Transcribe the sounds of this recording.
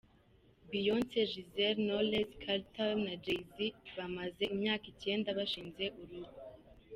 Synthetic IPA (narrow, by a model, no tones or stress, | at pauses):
bijonteʒizeɾnoleskʰaltalnad͡ʒejziβamaze̞imɲaːkice̞ːndaβaʃiːnze̞ʔuɾuɾu